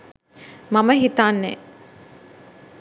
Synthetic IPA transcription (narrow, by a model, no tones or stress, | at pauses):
maməɦit̪aːnːɛ̰ː